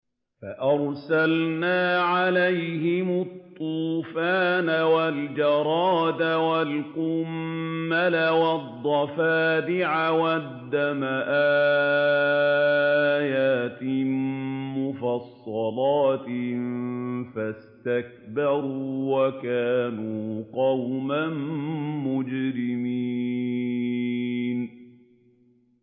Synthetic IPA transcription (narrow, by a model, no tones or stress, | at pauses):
faʔɑɾˤsalnaːʕalajhɪmʊt̪ˤːuːfaːnawald͡ʒɑɾˤɑːd̪awalqʊmːalawɑd̪ˤːɑfaːd̪ɪʕawad̪ːamaʔaː | jaːt̪ɪmmʊfɑsˤːɑlɑːt̪ | fast̪ak̚bɑɾuːwakaːnuːqɑwmanmʊd͡ʒɾɪmi | n